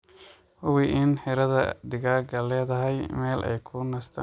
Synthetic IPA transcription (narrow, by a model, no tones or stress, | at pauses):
hʊwiʔɪnħɪɾɐðɐ̰d̪ɪɣaːɡɐlːɛːðɐɦɛjmɛːlʔɛ̰jkʰʊnɐst̪ʰɐ